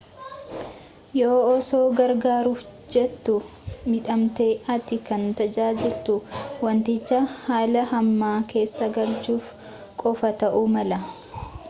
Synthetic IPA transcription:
joːɔso̞ːɡɐɾɡaːɾuːfd͡ʒɛt̪ːʊmɪᶑɐmt̪e̞ːɐt̪ɪkɐnt̪ɐd͡ʒaːd͡ʒɪlt̪ʊwɐnt̪ɪt͡ʃːɐhaːlɐhɐmːaːke̞ːsːɐɡɐlt͡ʃuːf | kʼɔfɐt̪ɐʔʊmɐlɐ

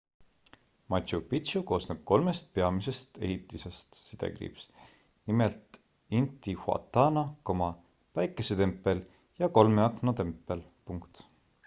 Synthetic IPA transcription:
mɑt̪ʲɕupit̪ɕuko̞ːsneb̥̚ko̞lme̞st̪̚pe̞ɑmise̞st̪e̞̰hit̪ˑːise̞st̪sid̪̥ḛkrḭps | nimelt̪ | int̪ːihwɑ̰t̪ːˑɑːnɑkomɑ | væjkːˑeset̪e̞mpːˑe̞l | jɑko̞lmeɑknot̪e̞mpːˑe̞lpuŋkt̪

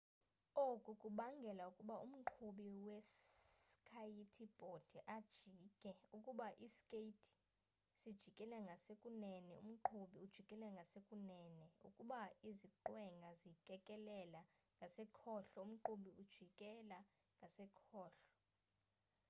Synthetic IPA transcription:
okʼukʼuɓaŋɡʱɛlaukʼuɓaum̩ǃʰuɓiwɛskʰajitʰib̥ʱod̥ʱɛʔad̥ʒ̥ʱiːkʼɛukʼuɓaʔiskʼeitʰʼi̥ | sid̥ʒ̥ʱikʼɛlɛŋɡʱasekʼunɛnɛṵm̩ǃʰuɓiud̥ʒ̥ʱikʼɛlɛŋɡʱasekʼunɛːnɛṵkʼuɓaiziǃwɛŋɡʱazikʼɛkʼɛlɛlaŋɡʱasɛkʰɔːɬɔum̩ǃuɓiud̥ʒ̥ʱikʼɛlaŋɡʱasɛkʰɔːɬɔ̥

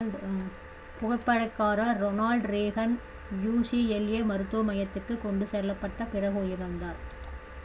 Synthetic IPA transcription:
pʊɣɐpːɐɽɐɪkːaːɾɐɾɔnaːlɖɾeːɣɐn | juːsiɛljeːmɐɾɯt̪ːuɐmɐjɐt̪ːɪrkɯkːɔɳɖɯsɛlːɐpːɐʈːɐpɪrɐɣoːjɪɾɯnd̪aːɾ

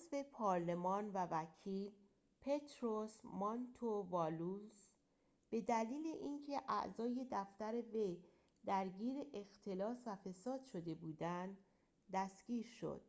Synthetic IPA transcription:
zve̞pʰɒːɾle̞mɒːnvævæcʰiːl | pʰe̞t̪ʰɾosmɒnt̪ʰovɒlus | b̥e̞d̪æliːle̞ʔiːncʰe̞ʔæ̰ʔzɒːje̞d̪æft̪æɾe̞ve̞j | d̪̥æɾɟiːɾeʔext̪ʰe̞lɒːsvæfe̞sɒːd̪̥ʃo̞d̪e̞buːd̪ænd̪ | d̪æsɡ̥iːɾʃo̰d̪̥̚

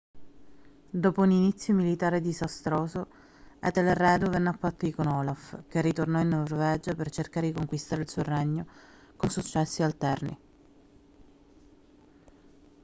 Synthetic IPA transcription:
d̪ɔːpouninit̪sːjomilit̪aːɾed̪izast̪ɾoːso | ɛ̰t̪elerɛːd̪ovɛnːafːat̪ːoikonɔlafkerːit̪ornɔinːorvɛːd͡ʒapert͡ʃerkaːɾed̪ikoŋkwist̪aːɾeilsuorɛɲːo | konsut͡ʃːɛsːialt̪ɛrnḭ

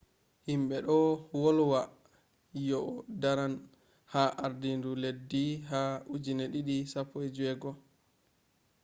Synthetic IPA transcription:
himɓɛɗɔwɔlwa | jɔdaɾan | haʔaɾdinduledːiɦaud͡ʒineɗiɗisapʰːɔjd͡ʒwɛɡɔ

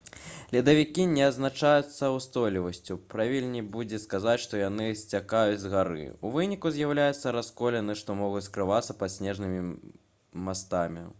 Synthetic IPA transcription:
lʲid̪ɐvʲikʲinʲɛɐznat͡ʂajut̪sːɐwst̪ɔjlʲivɐsʲt͡sʲupɾavʲilʲnʲibud͡zʲɛskazat͡sʲʂt̪ɔjanɨsʲt͡sʲakajut͡sʲzɣaɾɨ̰uvɨnʲikuzʲjawlʲajut̪sːɐɾaskɔlʲɛnɨʂt̪ɔmɔɣut͡sʲskɾɨvat̪sːɐpat̪sʲnʲɛʐnɨmʲi | mast̪amʲi

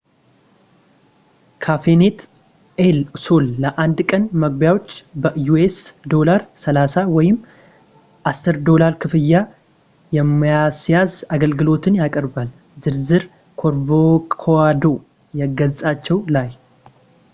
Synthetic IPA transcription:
kʰafenet̪ | elsolːəʔand̪kʼənməɡ̚bjawo̞t͡ʃːbəjuesd̪o̞laɾsəlasawɔjɪmː | ʔasːɨɾd̪o̞laɾkʰɨfɨjːa | jɛmːijasjazaɡəlɡɨlo̞t̪ɨnjakʼəɾbal | zɨɾzɨɾ | kʰoɾvokʰoad̪o̞ | jɛɡəzsʼat͡ʃːɛwlaj

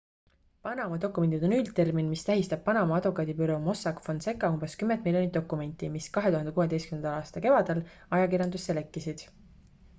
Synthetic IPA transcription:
pɑnɑmɑd̪o̞kːˑume̞nd̪id̪o̞nylt̪e̞rminmist̪æɦist̪ɑb̥̚pɑnɑmɑɑd̪vukːˑɑːd̪ipyɾo̞mo̞sɑkfonse̞kːˑɑumbe̞skymːend̪̚miljoit̪̚ːokːˑume̞nʲt̪ːˑimiskɑɦe̞t̪uhɑnd̪e̞kowe̞d̪ejstkymnnɑlɑːst̪ɑke̞vɑd̪̥el | ɑjɑkirjɑnd̪usːelekːisid̪̥

